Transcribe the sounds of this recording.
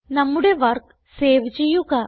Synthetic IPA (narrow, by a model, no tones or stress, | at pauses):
nɐmːuɽe̞ʋɐrk | seːʋit͡ɕːejːuɣɐ